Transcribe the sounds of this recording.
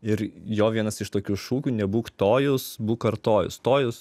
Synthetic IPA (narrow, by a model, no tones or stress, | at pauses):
ɪɾjoːʋʲiɛnɐsɪʃt̪oːkʲuːʃuːkʲuːnʲɛbuːkt̪oːjʊsbuːkɐɾt̪oːjʊ̰st̪oːjʊs